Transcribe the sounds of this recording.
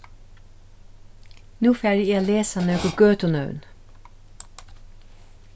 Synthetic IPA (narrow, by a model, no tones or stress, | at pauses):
nuːfæːɾiiːaːleːsanøːkəɡøːt̪ʊnœ̰ʉn